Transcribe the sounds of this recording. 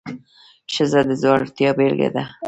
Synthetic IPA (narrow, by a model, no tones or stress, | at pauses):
ʃəzad̪əzwɑɾt̪jɑbelɡḛd̪a